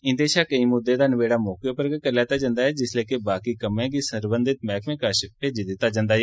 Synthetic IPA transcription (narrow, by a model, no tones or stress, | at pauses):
ɪ̃nd̪eːʃaːkəĩːmʊd̪ːeːd̪aːnəʋeːɽaːmɔːkjoːpəɾkəɾlɛːt̪aːd͡ʒãːnd̪aːɦɛːd͡ʒɪsleːkebaːkiːkəmɛ̃ːkiːsəɾbənd̪ɪt̪̚mɛːkmẽːkaːʃɪpeːd͡ʒɪd̪ɪt̪ːaːd͡ʒãːnd̪aːɦɛː